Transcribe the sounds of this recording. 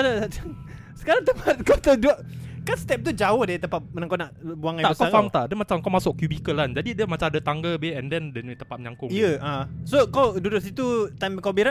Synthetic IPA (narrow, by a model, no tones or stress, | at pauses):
aɾa | sə̥kaɾaŋt̪əpat̪̚kat̪aduəʔkanst̪ɛp̚t̪ud͡ʒawəhdat̪əmpat̪̚mənaŋkonaʔbuaŋaaʔəskafamt̪aʔdəmat͡ʃamkawmasʊk̚kːjubikəlːand͡ʒadidəmat͡ʃamdət̪aŋɡəbeɛndɛndənt̪əmpat̪̚məɲaŋkʊŋiəʔasokawdudʊt̪sit̪ut̪ambəkabiɾan